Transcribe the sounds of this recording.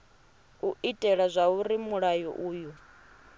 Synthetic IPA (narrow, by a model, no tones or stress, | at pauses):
uitʼɛɺazʷauɾimuɺajɔ̰ʔuːju